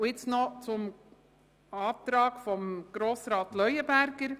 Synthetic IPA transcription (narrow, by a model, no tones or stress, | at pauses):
ɪt͡snɔt͡sʊm | ɑːt̪ɾɑːɡfɔmɡ̥ɾoːsɾɑːt̪lœʏəbæɾɡəɾ